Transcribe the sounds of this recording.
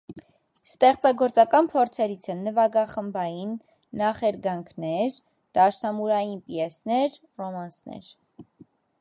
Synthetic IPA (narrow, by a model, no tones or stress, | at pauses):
st̪ɛχt͡sɑɡɔɾt͡sɑkɑnpʰɔɾt͡sʰɛɾit͡sʰɛnːəvɑɡɑχəmbɑjinː | ɑχɛɾɡɑŋkʰnɛɾ | d̪̥ɑʃnɑmuɾɑjinpiɛsnɛɾ | rɔmɑnsnɛ̰ɾ